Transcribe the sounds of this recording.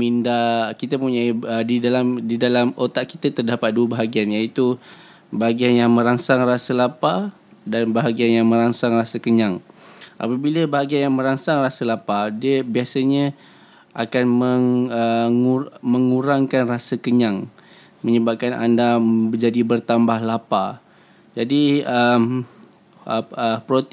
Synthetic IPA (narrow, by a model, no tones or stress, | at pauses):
mindakit̪əpəuɲaiədidalamdidalamot̪aʔki̥t̪ət̪ərdapat̪̚duəbaɦaɡianjait̪u | baɦaɡianjaŋmə̃ɾaŋsaŋrasəlapa | danbaɦaɡianjaŋmə̃ɾaŋsaŋrasəkəɲaŋʔa̰pəbiləbaɦaɡianjaŋmə̃ɾaŋsaŋrasəlapadiəbiasaɲə̃ | ʔakanməŋəŋuməŋuɾaŋkanrasəkəɲaŋ | mə̃ɲəbap̚kana̰ndad͡ʒadibərt̪ambahlapa | d͡ʒadiəm | əpɾot̪